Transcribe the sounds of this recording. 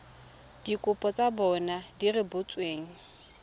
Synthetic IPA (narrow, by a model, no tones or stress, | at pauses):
d̥ikʼʊpʼɔt͡sʼabɔnadirɪbʊt͡sʼweːŋ̩